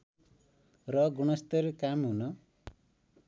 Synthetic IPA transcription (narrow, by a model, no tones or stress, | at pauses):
rʌɡuɽ̃ʌst̪ʌɾkamɦunʌ